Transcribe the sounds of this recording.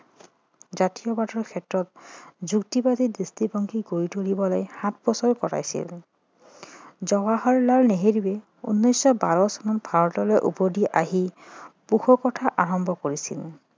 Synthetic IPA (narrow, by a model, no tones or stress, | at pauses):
zatijɔbatɔɹkʰɛtɹɔtzuktibadidistibɔŋkʰiɡoitoɹibɔlɔjhat̚ʰbɔsɔɹkɔɹa̰jsḭl | zɔɡaɦɔɹlalneɦeɹibɛ | ṵnːɔjsːɔbaɹɔsɔnɔtbʱaɹɔtɔlɔjʔṵpɔdiʔaɦipuxʰɔkɔtʰaʔaɹɔmbʱɔkoɹisḭl